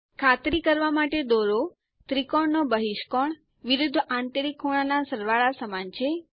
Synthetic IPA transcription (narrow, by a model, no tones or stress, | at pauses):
kʰat̪ɾikəɾʋamaʈed̪oɾo | t̪ɾikoɳnobəɦiʃkɔɳ | ʋiɾud̪ʱːãnt̪əɾikʰːuɽ̃anasəɾʋaɭasəmant͡ʃʰe